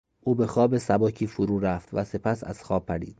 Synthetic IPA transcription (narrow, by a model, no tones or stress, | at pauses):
ʔuːbe̞xɒːbesæbɒːcʰiːfoɾuːɾæft̪væse̞pʰæsæ̰z̥xɒːb̚pʰːæɾḭːd̪̥̚